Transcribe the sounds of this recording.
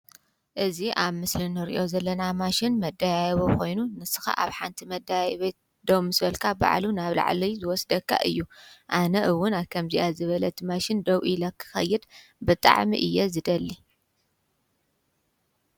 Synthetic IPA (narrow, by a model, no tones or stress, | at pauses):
ʔɨziʔaβmɨslinɨɾḭʔo̞zɐlːɐnamaʃɪnmɐd̪ːajajβoko̞jnunɨsɨ̥xa̰ʔa̰βħa̰nt̪ʰimɐd̪ajajβɐ | d̪̥ɐwmɨsβɐlkʰaba̰ʕlunaβla̰ʕlizɨwɔsd̪ɐkʰːa̰ʔɨ̰jːuʔanɐʔɨwːʊnaβkʰɐmziʔazɨβɐlɐt̪ʰimaʃɪnd̪ɐwʔilɐkʰːɨ̥xɐ̰jːɨd̪bɨt̪ʼa̰ʕmḭʔɨjːɛzɨd̪ɐlːi